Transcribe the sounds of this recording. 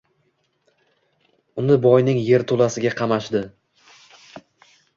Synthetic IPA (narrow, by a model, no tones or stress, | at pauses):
ʊnɪbɒjnɪŋje̞ɾt̪ʰolasɪɡʲaqʰɑmaʃd̪ɪ